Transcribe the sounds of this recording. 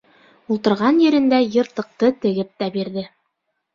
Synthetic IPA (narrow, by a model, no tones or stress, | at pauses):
ulˠt̪ɤ̆ɾʁɑnjɘ̆ɾɘ̆nd̪æjɤ̆ɾt̪ɤ̆q̚t̪ɤt̪ɘ̆ɡɘp̚t̪æbiɾðɘ